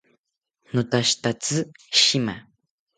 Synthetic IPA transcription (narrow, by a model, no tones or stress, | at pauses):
nʊt̪aʃt̪at͡sɨʃima̰